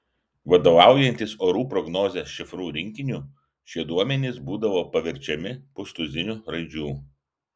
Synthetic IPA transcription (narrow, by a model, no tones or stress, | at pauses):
ʋɐd̪oʋɑˑʊjɛnʲt̪ʲɪsoːɾuːpɾɔɡnoːzʲesʃʲɪfɾuːɾʲɪŋʲkʲɪnʲuː | ʃʲiɛd̪uɔmʲɛnʲɪsbuːd̪ɐʋoːpɐʋʲɪɾʲt͡ʃʲɛmʲɪpʊst̪ʊzʲɪnʲuːɾɐɪd͡ʒʲuː